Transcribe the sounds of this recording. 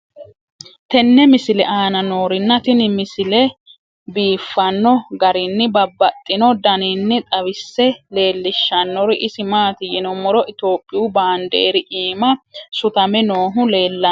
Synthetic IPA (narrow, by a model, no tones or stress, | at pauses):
t̪ɛnːɛmɪsɪlɛ̰ʔaːnɐno̞ːɾɪnːɐt̪ɪnɪmɪsɪlɛ | biːfːɐnːɔɡɐɾɪnːɪbɐbːɐt̪ʼːɪnɔd̪ɐninːɪt̪ʼɐβɪsːɛle̞ːlːɪʃːɐnːɔɾɪʔɪsɪmaːt̪ɪjɛnɔmɔɾɔʔɪt̪o̞ːpʼːɪjubaːnd̪ḛːɾɪʔiːmɐsʊt̪ɐmɛno̞ːɦʊle̞ːlːɐ